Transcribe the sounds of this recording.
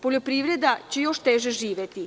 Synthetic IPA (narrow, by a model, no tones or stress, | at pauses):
poʎʲopɾiʋɾed̪at͡ɕejo̞ʃt̪eʒeʒiːʋjet̪i